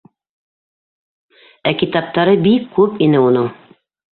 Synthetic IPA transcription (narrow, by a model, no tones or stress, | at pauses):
ækit̪ɑp̚t̪ɑɾɤbikːʉpinɘunɤŋ